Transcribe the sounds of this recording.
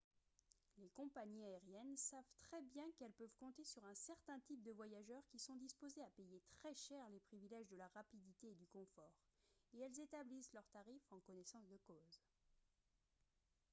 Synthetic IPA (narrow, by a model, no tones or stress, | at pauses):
lekɔ̃paɲiaɛʁjɛnsavt̪χɛbjɛ̃kɛlpœvkɔ̃t̪esyʁɛ̃sɛʁt̪ɛ̃t̪ip̚d̪əvwajaʒœʁkʲisɔ̃d̪ispozeapejet̪χɛʃɛʁlepχivilɛʒd̪əlaʁapid̪it̪eːd̪ykɔ̃fɔːʁeɛlzet̪ablislœʁt̪aʁifɑ̃kɔnesɑ̃sd̪əkoz